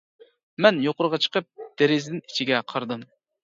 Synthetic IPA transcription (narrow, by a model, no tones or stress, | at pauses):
mɛnjoqʊɾəʁɑt͡ʃʰə̥qəp̚d̪̥eɾɪzd̪ɪni̥t͡ʃʰiɡʲɛqʰɑɾd̪ɨm